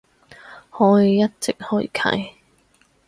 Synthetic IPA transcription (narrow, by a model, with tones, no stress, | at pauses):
hɔː˨˥ji˨˧jɐ˥t̚t͡sɪ˨k̚hɵ˥jkʰɐ̰˨˥j